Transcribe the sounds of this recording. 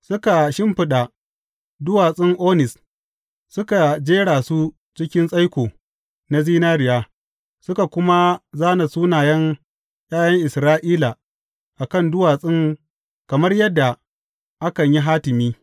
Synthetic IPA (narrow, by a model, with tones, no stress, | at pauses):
sʊ˦ka˨ʃɪ˦mɸɪ˨ɗa˨ | dʊ˦waː˨sʼɪ˦ŋʔoː˦nɪ˨s | sʊ˦ka˨d͡ʒeː˦ɽaː˨su˦ | t͡ʃɪ˦kʲɪ˦nsʼa˦jkʷoː˨ | na˦ziː˦naː˦ɽɪ˨jaː˦ | sʊ˦ka˨kʷʊ˦ma˦zaː˦na˨suː˦naː˨jɐ˦ŋ | j̰ʲʼaː˦jɐ˦ŋʔɪ˨sɾaː˦ʔiː˦la˨ | ʔa˨kɐ˦˨ndʊ˦waː˨sʼɪ˦ŋ | kɐ˨mɐ˦rjɐ˦dːa˨ | ʔa˦kɐ˨ɲji˦ɦaː˦tɪ˨miː˦